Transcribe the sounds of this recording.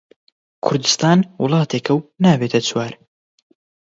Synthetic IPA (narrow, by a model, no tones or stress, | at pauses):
kʰʊɾd̪ɨst̪aːnwʊlˠɑːt̪ʰeːkʰɐwnaːbeːt̪ʰɐt͡swaːɾ